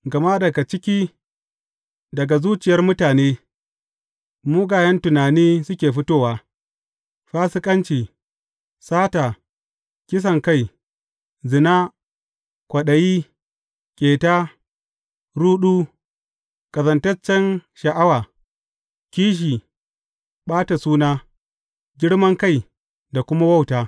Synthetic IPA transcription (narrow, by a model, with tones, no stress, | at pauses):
ɡɐ˨ma˦dɐ˨ɡa˨t͡ʃɪ˦kʲiː˦ | dɐ˨ɡa˨zuː˦t͡ʃɪ˨jɐ˦rmʊ˦taː˨neː˦ | muː˦ɡaː˨jɐ˦ntʊ˨naː˨niː˦sʊ˦kʲeː˨ɸɪ˦toː˦waː˦ | ɸaː˦sɪ˦kʼɐ˦nt͡ʃiː˨ | saː˦ta˨ | kʲɪ˦s̬ɐ˨ŋka˦˨j | zɪ˨naː˦ | kʷɐ˨ɗɐ˨jiː˦ | kʲʼeː˨taː˦ | ɾuː˦ɗuː˦ | kʼɐ˨zɐ˨ntɐ˦t͡ʃːɛ˦nʃɐ˨ʔa˦waː˨ | kʲiː˦ʃ̬iː˨ | ɓaː˦ta˨suː˦naː˦ | ɡʲɪ˦ɽmɐ˦ŋka˦˨j | da˨kʷʊ˦ma˦wɐ˦˨wtaː˨